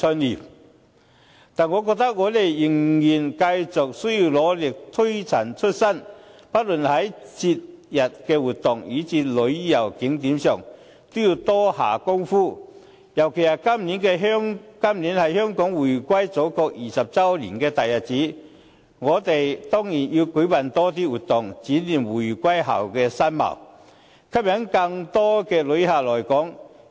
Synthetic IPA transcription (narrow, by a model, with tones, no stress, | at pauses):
t͡sʰɵ˧nliː˨˩m | t̪aː˨nŋɔː˨˧k̬ɔ˧k̚t̪ɐ˥k̚ŋɔː˨˧t̪e˨jːɪ˨˩ŋjiː˨˩nkɐ˧jt͡sʊ˨k̚sɵ˥ɥjiː˧wlɔː˨˧lɪ˨˩k̚t̪ʰɵ˥ɥt͡sʰɐ˨˩nt͡ʃʰɵ˥t̚sɐ˥˩npɐ˥t̚lɵ˨nhɐ˨˥jt͡si˧t̚jɐ˨t̚kɛː˧wuː˨t̪ʊ˨ŋjiː˨˥t͡si˧t̚lɵ˨˧ɥjɐ˨˩wkɪ˨˥ŋt̪iː˨˥msœː˨˩ŋ | t̪ʊ˥jiː˧wt̪ɔː˥ha̰ː˨˩kʊ˥ŋfuː˥ | jɐ˨˩wkʰe˨˩jɐ˨˩kɐ˥mniː˨˥nkɛː˧ɦŋkɐ˥mliː˨˥nhɐ˨jhœː˥ŋkɔː˨˥ŋwuː˨˩jkʷwɐ˥jt͡so˨˥kɔː˧k̚jiː˨˩sɐ˨p̚t͡sɐ˥wlḭː˨˩nkɛː˧t̪ɐ˨jɐ˨˩t̚t͡siː˨˥ | ŋɔː˨˧t̪e˨˩jt̪ɔː˥ŋjiː˨˩nji˧wkɵ˨˥jpɐ˨˩nt̪ɔː˥t̪iː˥wuː˨t̪̚ʊ˨˩ŋt͡siː˨˥nliː˨˩mwuː˨˩jkʷɐ˥jɦa̰˨˩wkɛː˧sɐ˥nmɐ̰˨˩w | kʰɐ˥p̚jɐ˨˥ŋkɐ˧ŋt̪ɔː˥kɛː˧lɵ˨˥jhaː˨lɔː˨˩jkɔː˨˥ŋ